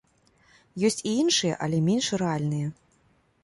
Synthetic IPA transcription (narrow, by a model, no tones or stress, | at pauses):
jɔsʲt͡sʲiinʂɨjɛ̰ʔɐlʲɛmʲenʂrɛalʲnɨjɛ